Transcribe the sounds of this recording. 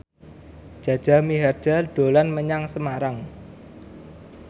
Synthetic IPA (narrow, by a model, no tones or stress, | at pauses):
ʒ̥ä̤d̥ʒ̥a̤miɦard̥d͡ʒ̥aɖ̪̥o̤lanməɲaŋsəmaɾaŋ